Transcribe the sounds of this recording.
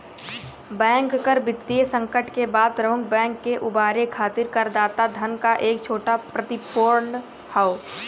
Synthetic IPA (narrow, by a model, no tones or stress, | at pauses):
bɛ̃ːŋkːəɾbɪt̪ːiesə̃ŋkəʈkebaːd̪̚pɾəmʊkʰbɛ̃ːŋkːeʔʊbaːɾekʰaːt̪ɪɾkəɾd̪aːt̪ad̪ʱənkaʔeːkt͡ʃʰoːʈapɾət̪ɪpoːɾɳ | hao